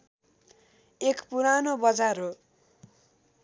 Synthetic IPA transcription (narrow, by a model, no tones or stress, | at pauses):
ekpuɾanobʌd͡zaɾo